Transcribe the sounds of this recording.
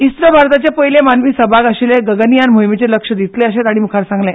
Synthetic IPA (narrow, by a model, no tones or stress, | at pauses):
ist̪ɾəbʱaɾt̪at͡ɕepəjlemanʋisəbʱaɡəɕileɡəɡənijanmoɦimet͡ɕeləkʂəd̪it̪leəɕet̪aɽ̃imukʰaɾsãŋɡlẽ